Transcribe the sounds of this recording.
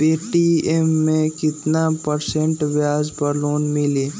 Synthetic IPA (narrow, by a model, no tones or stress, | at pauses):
peːʈiemːẽkɪt̪napəɾsẽɳʈʋjaːzpɐɾloːnmɪliː